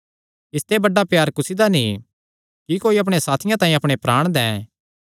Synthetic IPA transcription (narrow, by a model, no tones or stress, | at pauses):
ɪst̪ebɐɖapjaːɾkʊsid̪anĩ | kikoːiɐp̬ɽ̃esaːt̪ʰɪjãt̪ãːĩɐpɽ̃epɾaːɽ̃d̪ɛ̃ː